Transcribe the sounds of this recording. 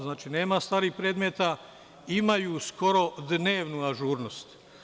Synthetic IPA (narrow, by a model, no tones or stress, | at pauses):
znaːt͡ʃine̞ːmast̪aːɾiːxpɾe̞ːd̪met̪a | imajusko̞ɾo̞d̪ne̞ːʋnuaʒuːɾno̞st̪